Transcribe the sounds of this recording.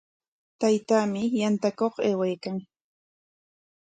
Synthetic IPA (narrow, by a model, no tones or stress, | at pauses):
t̪ajt̪aːmɪjant̪akoχeːwajkaŋ